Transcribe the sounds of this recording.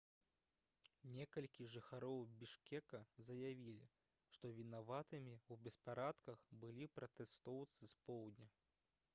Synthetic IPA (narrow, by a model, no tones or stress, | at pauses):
nʲɛkɐlʲkʲiʐɨxaɾɔwbʲiʂkʲɛkɐzɐjavʲilʲḭ | ʂt̪ɔvʲinavat̪ɨmʲiubʲɛspaɾat̪kɐxbɨlʲipɾʔɐt̪ɛst̪ɔwt̪sɨspɔwd̪ʲnʲɐ